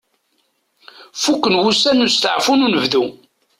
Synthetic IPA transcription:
fukːənwusænust̪ʕfununəvðu

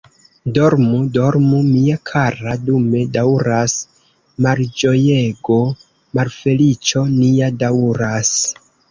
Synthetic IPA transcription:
do̞ɾmudo̞ɾmumiakʰaɾadume̞dawɾas | mald͡ʒo̞jeɡo̞ | malfe̞lit͡ʃo̞niadauɾas

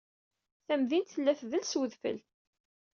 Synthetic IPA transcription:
θæmðint̪θəlːæθðəlswəðfə̰l

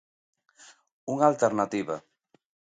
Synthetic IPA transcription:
uŋalt̪eɾnat̪iβa

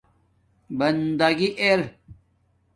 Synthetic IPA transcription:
bɐnd̪ɐɡiʔeɾ

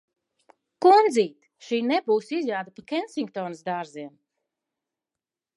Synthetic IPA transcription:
kund̪ziːt̪ | ʃiːnebuːsizjaːd̪apakʲɛnsʲiŋkt̪ɔːnɨsd̪aːɾziɛm

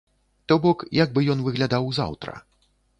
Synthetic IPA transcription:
t̪ɔbɔkjaɡ̚bɨjɔnvɨɣlʲad̪awza̰wt̪ɾɐ̰

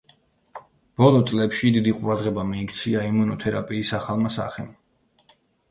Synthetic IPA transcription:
b̥ɔlˠɔt̪sʼlɛpʃid̪id̪iqʼuɾad̪ʁɛbamiːkt̪sʰiaimunɔt̪ʰɛɾa̰pʼiːsaχalˠmasa̰χɛ̰m

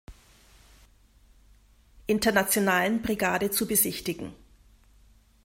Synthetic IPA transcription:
ʔɪntɐnat͡sjonaːlənbʁiɡaːdət͡subəzɪçtɪɡŋ̩

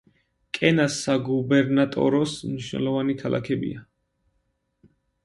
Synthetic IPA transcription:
kʼɛnasaɡubɛɾnat̪ʼɔ̰ɾɔsmniʃwnɛ̰lˠɔvanikʰalˠa̰kʰɛbḭa

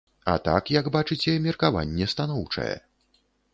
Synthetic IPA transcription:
ɐ̰t̪a̰kjɐɡbat͡ʂɨt͡sʲɛmʲɛrkava̰nʲːɛst̪an̪ɔwt͡ʂɐ̰jɛ̰

